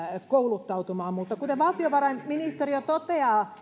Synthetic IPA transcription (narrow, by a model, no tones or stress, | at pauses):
koulut̪ːɑut̪umɑːmmut̪ːɑkut̪eʋɑlt̪ioʋɑrɑimminist̪eriot̪ot̪eɑː